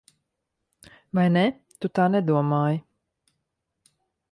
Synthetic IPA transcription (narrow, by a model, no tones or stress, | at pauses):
vajne | t̪ut̪aːnɛd̪uɔmaːji